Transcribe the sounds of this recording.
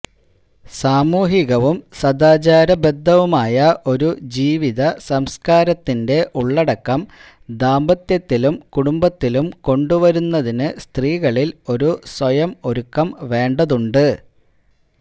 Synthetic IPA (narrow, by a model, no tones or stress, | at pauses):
saːmuːɦiɣɐʋumsɐd̪aːt͡ɕaːɾɐbe̞d̪ʱːɐʋumaːjɐʔo̞ɾud͡ʑiːʋiðɐsɐmskaːɾɐt̪ːinde̞ʔuɭːɐɽɐkːɐm | d̪aːmbɐt̪jɐt̪ːilumkuɽumbɐt̪ːilumko̞ɳɖuʋɐɾunːɐðinɨst̪riːɣɐɭilo̞ɾuswɐjɐmo̞ɾukːɐmʋe̞ːɳɖɐðuɳɖɨ